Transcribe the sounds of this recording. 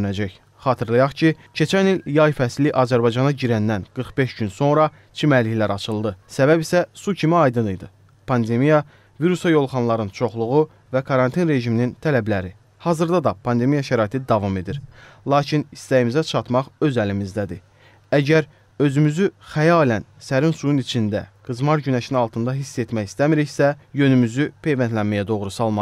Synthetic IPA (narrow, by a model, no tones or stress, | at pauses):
næd͡ʒæç | χɑːt̪ʰɯɾlˠɯjɑχcʰi | cʰe̞t͡ʃʰæniljɑjfæsliʔɑzæɾbɑjd͡ʒɑnɑɟiɾænd̪ænɡ̥ɯɾχbe̞ʃɟynso̞nɾɑ | t͡ʃʰimæliçlæɾɑt͡ʃʰɯlˠd̪ɯsæbæbisæsucʰimiɑjd̪ɯnɯjd̪ɯ | pʰɑnd̪e̞mijɑ | viɾusɑjo̞lˠχɑnlˠɑɾɯnt͡ʃʰo̞χlˠuʁu | vækʰɑɾɑnt̪ʰinɾe̞ʒiminint̪ʰælæblæɾi | hɑzɯɾd̪ɑd̪ɑpʰɑnd̪e̞mijɑʃæɾɑːit̪ʰid̪ɑvɑme̞d̪iɾ | lˠɑːcʰinist̪æjimizæt͡ʃʰɑt̪mɑχø̞zælimizd̪æd̪i | æɟæɾ | ø̞zymyzyχæjɑlænsæɾinsujunit͡ʃʰind̪æ̰ɡ̥ɯzmɑɾɟynæʃinɑlˠt̪ʰɯnd̪ɑɦisːe̞t̪mæçi̥st̪æmiɾiçsæjø̞nymyzypʰe̞jvænt̪lænmæjæd̪oʁɾusɑlˠmɑ